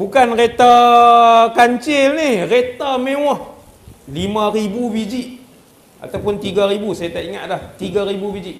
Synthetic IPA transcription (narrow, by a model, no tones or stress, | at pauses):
bukanret̪a | kaɲt͡ʃɪlnihret̪amewɔh | limaɾibubid͡ʒiʔ | ʔa̰t̪awpʊnt̪iɡaɾibusajat̪aʔiŋa̰ʔ̪̚dlaht̪iɡaɾibubid͡ʒiʔ